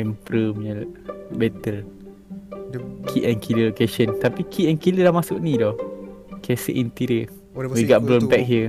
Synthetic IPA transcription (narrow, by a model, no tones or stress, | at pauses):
ɛmpɾəmɲəlbɛt̪əl | kʰiʔɛnkʰiləlokeʃənt̪apikʰiʔɛnkiləlahmasʊʔnĩdɔhkɛsə̰ʔint̪iɾə | wiɡɔʔ̚blɔnbɛk̚ɦiə